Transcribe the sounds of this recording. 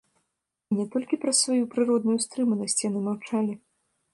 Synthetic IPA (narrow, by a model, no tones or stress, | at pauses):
nʲɛt̪ɔlʲkʲipɾɐsvajupɾɨɾɔd̪̚nujust̪ɾɨmɐnɐsʲt͡sʲjanɨmawt͡ʂalʲi